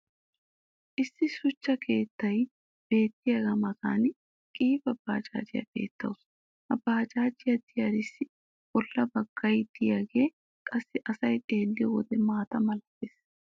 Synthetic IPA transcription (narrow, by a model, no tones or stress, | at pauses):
ʔɪsːɪsʊt͡ʃːɐkʰeːt̪ːɐj | b̥e̞ːt̪ːɪjɐɡɐmɐza̰ːn | kʼiːfɐb̥ːaːt͡ʃʼa̰ːd͡ʒɪja̰b̥e̞̰ːt̪ːɐ̰ws | ʔɐbːaːt͡ʃaːd͡ʒɪjad̪ɪjɐɾɪsːɪ | bɔlːɐbɐɡ̥ːɐjd̪ɪjaːɡe̞ː | kʼɐsːɪʔɐsɐjt̪ʼe̞ːlːɪjɔwɔ̰d̪ɛmaːt̪ɐmɐlɐpːeːs